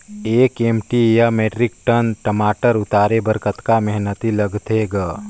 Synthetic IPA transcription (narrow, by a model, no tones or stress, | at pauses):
eːkeːmʈijameːʈɾɪk̚ʈənʈəmaːʈəɾʊt̪aːɾebəɾkət̪kamɛɦnət̪iləɡt̪eɡə